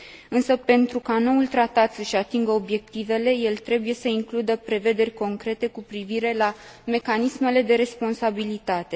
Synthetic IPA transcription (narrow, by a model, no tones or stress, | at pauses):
ɨnsəpe̞nt̪ɾukano̞ult̪ɾat̪at̪səʃat̪iŋɡəo̞bje̞k̚t̪ive̞le̞je̞lt̪ɾe̞buje̞səiŋklud̪əpɾe̞ve̞d̪e̞rʲko̞ŋkɾe̞t̪e̞kupɾiviɾe̞la | me̞kanisme̞le̞d̪e̞ɾe̞spo̞nsabilit̪at̪e̞